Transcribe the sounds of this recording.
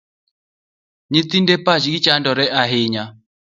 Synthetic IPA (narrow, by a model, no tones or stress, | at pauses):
ɲit̪indɛpaʃiit͡ʃandɔɾɛʔaɦiːɲa